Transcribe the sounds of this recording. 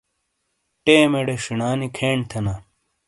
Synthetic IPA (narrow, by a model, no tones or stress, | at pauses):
ʈeːmeɽeʂiɳaːnikʰeːɳt̪ʰɐna